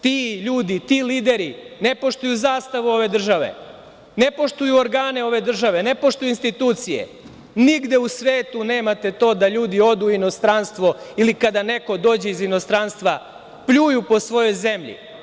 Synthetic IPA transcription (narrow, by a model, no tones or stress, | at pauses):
t̪iʎuːd̪it̪iliːd̪e̞ɾi | ne̞po̞ʂt̪ujuzaːst̪aʋuo̞ʋe̞d̪r̩ʒaʋe̞̰ | ne̞po̞ʃt̪ujuoɾɡaːne̞o̞ʋe̞d̪r̩ʒaʋe̞ne̞poʃt̪ujuinst̪it̪uːt̪sijḛ | niɡd̪e̞usʋeːt̪une̞ːmat̪e̞t̪o̞ːd̪aʎuːd̪io̞d̪uino̞st̪ɾanst̪ʋo̞ilikad̪ane̞ko̞d̪o̞ːd͡ʑeizino̞st̪ɾanst̪ʋa | pʎujupo̞sʋo̞jo̞jze̞mʎḭ